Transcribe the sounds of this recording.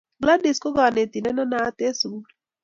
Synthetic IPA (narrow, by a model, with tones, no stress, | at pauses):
bla˦di˨sko˦ɡa˨ne˨t̪i˨na˦na˦na˨˦t̪e˦su˨ɡu˦